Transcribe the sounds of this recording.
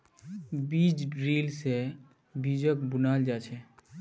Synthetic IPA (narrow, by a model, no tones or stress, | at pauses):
biːd͡ʒɖɾiːlse | biːd͡ʒəkbʊnaːld͡ʒaːt͡ʃʰɛ